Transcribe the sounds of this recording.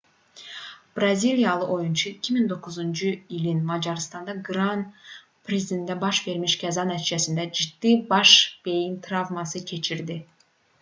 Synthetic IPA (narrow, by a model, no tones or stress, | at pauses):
b̥ɾazʲilʲijalˠɯʔojunt͡ʃʰuicʲʰimiŋd̪o̞quzunt͡ʃʰujilinmɑd͡ʒɑɾɯst̪ɑnd̪ɑɡɾɑn | pʰɾʲezid̪ʲend̪ɛbɑʃve̞ɾmiʃɡʲæzɑnæt̪ʰid͡ʒɛsind̪ɛd͡ʒid̪̥ːibɑʃb̥e̞jint̪ʰɾɑvmɑsɯkʲʰe̞t͡ʃʰiɾd̪i